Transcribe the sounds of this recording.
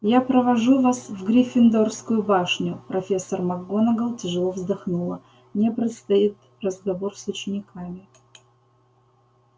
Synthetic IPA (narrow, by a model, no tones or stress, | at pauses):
japɾəvɐʐuvasvɡɾʲɪfʲɪnd̪orskʊjʊbaʂnʲʊpɾɐfʲe̞sːərmɐɡːonəɡəlˠtʲɪʐɨlˠovzd̪ɐxnulˠə | mnʲepɾʲɪt̪st̪ɐit̪ | rəzɡɐvorsʊt͡ɕɪnʲɪkamʲɪ